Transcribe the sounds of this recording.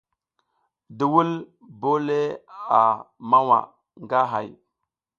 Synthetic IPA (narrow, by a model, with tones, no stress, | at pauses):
di˨wu˦l | bo˦le˦a˨ma˦wa̰˨ | ŋɡa˦ɦa˨j